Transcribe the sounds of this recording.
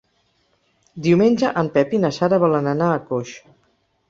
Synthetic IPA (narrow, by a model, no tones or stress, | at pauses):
d̪iwmenʲd͡ʒəʔəmpɛpinəsaɾəβɔlənənaːkoʃ